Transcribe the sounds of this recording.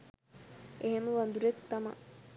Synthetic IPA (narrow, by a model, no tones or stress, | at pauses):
eɦeməʋand̪uɾek̚t̪ama̰